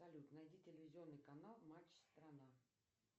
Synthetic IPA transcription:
ɐlʲut̪nɐjdʲitʲɪlʲɪvʲɪzʲɪo̞nːɨjkɐnalˠmat͡ɕst̪ɾɐna

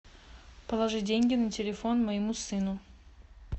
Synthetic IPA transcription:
pəlˠɐʐɨdʲenʲɡʲɪnətʲɪlʲɪfonməjɪmusɨnʊ

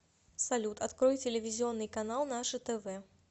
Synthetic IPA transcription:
salʲut̪at̪kɾɔjt͡sʲelʲevʲizʲiɔnːɨjkanalˠnaʂɨt̪ɛvɛ

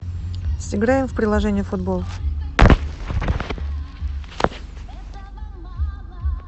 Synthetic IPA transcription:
sʲɪɡɾajɪmfpɾʲɪlˠɐʐɛnʲɪjəfʊd̪bolˠ

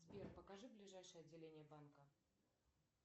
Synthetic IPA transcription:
zʲbʲerpəkaʐɨblʲɪʐajʂəjəɐdʲːɪlʲenʲɪjəbankə

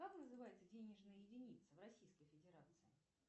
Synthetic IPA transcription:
kaknəzɨvajɪt̪sədʲenʲɪʐnəjəjɪdʲɪnʲit̪səvrɐsʲijskəjfʲɪdʲɪɾat̪sɨɪ

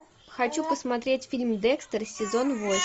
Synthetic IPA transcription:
xɐt͡ɕupəsmɐt̪ɾʲetʲfʲilʲmd̪ɛkst̪ərsʲɪzo̞nvo

